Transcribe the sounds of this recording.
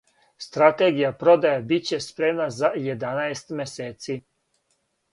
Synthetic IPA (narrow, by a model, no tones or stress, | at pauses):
st̪ɾat̪eɡijapɾo̞d̪ajabit͡ɕe̞spɾemnazajed̪anaest̪meseːt̪si